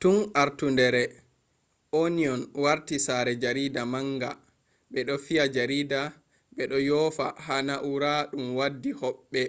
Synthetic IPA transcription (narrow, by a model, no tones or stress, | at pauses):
tunaɾtundɛɾɛ | oniɔnwaɾtisaɾɛd͡ʒaɾiːdamaŋɡa | ɓɛɗɔfiad͡ʒaɾiːda | ɓɛɗɔjɔfahanaʔuɾaɗumwadːihɔɓːɛ